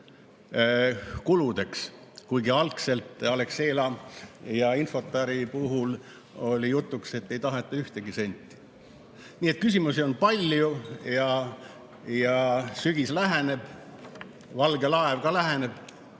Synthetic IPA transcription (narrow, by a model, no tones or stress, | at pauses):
kulud̪̥e̞ks | kujɡiɑlkse̞lt̪ːˑɑle̞kse̞ːlɑjɑinfo̞t̪ːˑɑɾipuɦul | o̞lʲijut̪ːˑukse̞t̪ːe̞jt̪ɑɦet̪ːˑɑyht̪eɡ̥ise̞nʲt̪ʲˑːi̥ | niːet̪̚kysʲimusio̞npɑlʲjujɑ | jɑsyɡ̥islæɦene̞b̥ | vɑlɡe̞lɑevkɑlæɦene̞b̥